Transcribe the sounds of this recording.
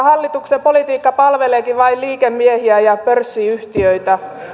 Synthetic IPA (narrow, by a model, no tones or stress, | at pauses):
hɑlːit̪uksepolit̪iːkːɑpɑlʋeleːkiʋʋɑilliːkemːiehiæjɑpørsːiyht̪iøit̪æ